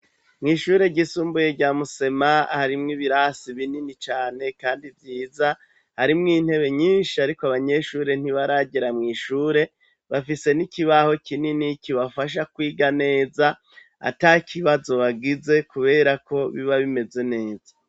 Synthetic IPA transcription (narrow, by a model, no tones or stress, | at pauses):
mŋiːʃuːɾe̞ɟisuːmbuje̞ɟaːmuse̞maahaɾimŋiβiɾasiβininit͡ʃaːne̞kaːndivjiːza | haɾimŋiːn̥he̞βe̞ɲiːnʃiaɾikoaβaɲe̞ʃuːɾe̞n̥iβaɾaɟiɾamŋiːʃuːɾe̞ | βafise̞nikiβaho̞kininikiβafaʃ̬akwiːɡane̞ːza | a̰takʰiβazo̞βaɡize̞kuβe̞ːɾako̞βiβaβime̞ze̞ne̞ːz̥a